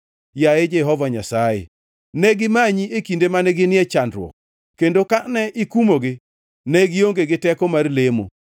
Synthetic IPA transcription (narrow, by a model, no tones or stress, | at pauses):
jaed͡ʒɛɦɔvaɲasajḛ | nɛɡɪmaɲiekindemanɛɡɪnɪɛt͡ʃandɾwɔ̰k̚ | kendokanɛʔɪkumoɡɪ | nɛɡɪoŋɡeɡɪtɛkɔmarlemo̰